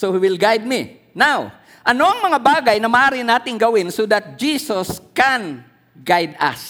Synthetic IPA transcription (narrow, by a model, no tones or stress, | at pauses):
sohiwɪlɡajd̪̚mi | naw | ʔɐnoʔɐŋmɐŋabaːɡɐjnɐmɐʔaːɾɪnaːt̪ɪŋɡɐwɪnsod̪at̪̚d͡ʒiːsoskɛn | ɡajd̪a̰s